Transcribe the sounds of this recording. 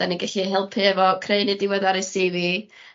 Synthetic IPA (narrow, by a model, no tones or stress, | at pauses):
aniɡaɬiɦɛlˠpʰiɛvɔkʰreɨnidɪwɛðaɾesivi